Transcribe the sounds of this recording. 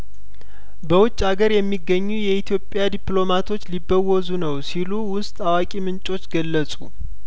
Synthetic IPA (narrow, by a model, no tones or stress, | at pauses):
bəwʊt͡ʃʼːaɡəɾjɛmːiɡːəɲːujɛit̪ʰjo̞pʼːjad̪iplo̞mat̪ʰo̞t͡ʃːlibːəwɔzunəwsiluwʊst̪ʼawakʼimɨnt͡ʃʼo̞t͡ʃːɡəlːəsʼu